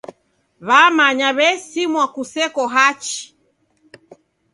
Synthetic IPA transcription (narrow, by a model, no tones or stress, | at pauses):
βamaɲaβɛsimwakusɛkɔɦat͡ʃi̥